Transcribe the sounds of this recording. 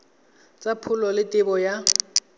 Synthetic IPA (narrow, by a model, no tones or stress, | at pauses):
t͡sʼapʰʊlɔlɪtʼɪbɔja